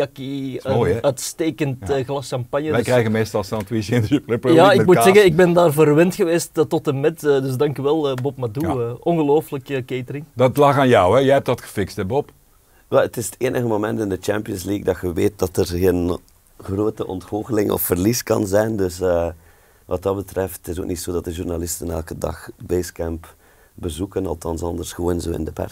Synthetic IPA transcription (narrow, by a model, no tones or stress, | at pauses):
ɑki | œɥtsteːkəntːɣlɑsʃɑmpɑnjədɛkrɛjɣənmeːstɑlˠsɑntwisenəplɪpjaːɪmutssɛɣənɪɡ̚bɛndaːrvərʋɪntxəʋeːstətɔtəmɛtəːdɵs̬dɑŋkyʋɛlˠəbɔpmaduəːʔɔnɣəloːfələkəkeːtərɪŋdɑtlɑxaːnjɔwɛjɛɛp̚tɑtxə̥fɪkstɛbɔp | ʋɛlətɪsətʰeːnʔəɣəmomɛntɪndət͡ʃɛmpiənsliːk̚dɑxəʋeːt̚dɑtərɣen | xroːtəʔɔ̰ntfolˠɣəlɪŋʔɔ̰fːərliskɑ̰nzɛjndɵsə | ʋɑt̚ɑd̚bətrɛfttɪs̬o̰ːknitsoːdɑt̚dəʒurnalɪstənɛ̰lˠkədɑ̰xbeskɛmp | bəzukənɑlˠtɑnsɑndərsxəʋoːnzo̰ːɪ̰ndəpɛ̰rs